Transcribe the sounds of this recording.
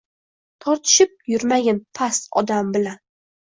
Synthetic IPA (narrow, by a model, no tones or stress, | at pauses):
t̪ʰɒɾt̪ʰɪ̥ʃɪp̚jʊɾmaɡʲanpʰasɒ̰d̪ambɪlan